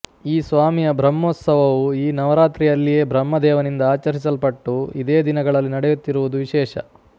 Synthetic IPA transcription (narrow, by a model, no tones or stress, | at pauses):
iːsʋaːmijɐbʱɾɐmːoːt̪sɐʋɐʋuiːnɐʋɐɾaːt̪ɾijɐlːije̞ːbʱɾɐmːɐd̪ɛːʋɐnind̪ɐaːt͡ʃɐɾis̬ɐlpɐʈːuid̪eːd̪inɐɡɐɭɐlːinɐɽɛjut̪ːiɾuʋud̪uʋiʃɛːʃɐ̰